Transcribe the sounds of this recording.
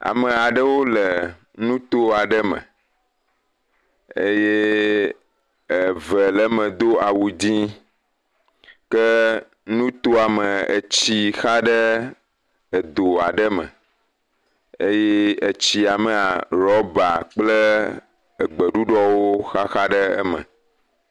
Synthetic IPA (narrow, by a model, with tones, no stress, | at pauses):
a̰˨mə̃˨a˨ɖə˦wo˦lə˨ | nũ˦t̪o˦a˨ɖə˦mə̰̃˨ | e˦je˦ | ə˨və˨lə˦mə̃˨d̪o˦a˨wu˨d͡ʑi˦ | kə˦ | nũ˦t̪o˦a˨mə˨ə̰˨t͡ɕi˦xa˦ɖə˦ | ə˨d̪o˨a˨ɖə˦mə̰̃˨ | e˦je˦ə˨t͡ɕi˨a˨mə̃˨a˨ɾɔ˦ba˨k͡plə˦ | ə˨ɡ͡bə˨ɖu˦ɖɔ˦wo˦xa˦xa˦ɖə˦ə̰˦mə̰̃˨